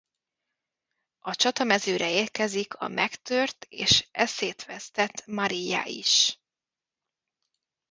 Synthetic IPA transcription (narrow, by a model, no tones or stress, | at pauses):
ɒt͡ʃɒt̪ɒmɛzøːɾʔɛeːrkɛzikʰɒ̰mʔɛkt̪ørt̪ḛːʃɛseːt̪ʋɛst̪ɛt̪mɒɾijːa̰ːʔḭʃ